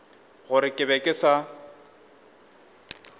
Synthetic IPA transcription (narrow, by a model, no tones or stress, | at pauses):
ɣʊɾɪkʼɪbɛkʼɪsa